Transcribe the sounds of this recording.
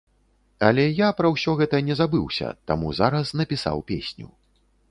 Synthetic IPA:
ɐlʲɛjapɾɐwsʲɔɣɛt̪ɐnʲɛzabɨwsʲɐ̰t̪a̰muzaɾɐsnɐpʲisa̰wpʲḛsʲnʲṵ

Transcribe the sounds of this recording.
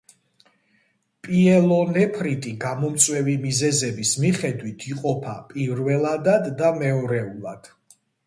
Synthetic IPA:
pʼiɛlˠɔnɛpʰɾit̪ʼiɡamɔmt̪sʼwɛvimizɛzɛbismiχɛd̪wit̪ʰiqʼɔpʰapʼiɾvɛlˠad̪ad̪ːamɛɔɾɛulˠa̰d̪̥

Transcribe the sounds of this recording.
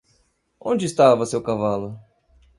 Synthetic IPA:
õnd͡ʒɪːst̪avɐsewkavalʊ

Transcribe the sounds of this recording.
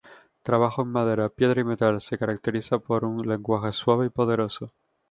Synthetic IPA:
t̪ɾaβ̞axoeŋmaðe̞ɾapje̞ðɾaime̞t̪alse̞kaɾak̚t̪eɾiθapo̞ɾunle̞ŋɡwaxeswaβ̞eipo̞ð̞e̞ɾo̞so

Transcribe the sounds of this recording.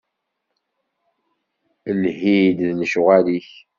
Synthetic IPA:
əlɦid̪ðnəʃʁæliç

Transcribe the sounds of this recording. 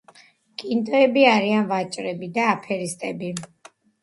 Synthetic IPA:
kʼint̪ʼɔɛbiaɾianvat͡ʃʼɾɛbid̪aːpʰɛɾist̪ʼɛbi

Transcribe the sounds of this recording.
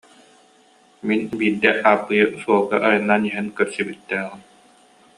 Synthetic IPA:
minbiːd̪ːɛʔaːpːɯjɯsuɔlˠɡaʔːjɯnːaniɦɛnkœɾsibit̪ːɛːʁɯm

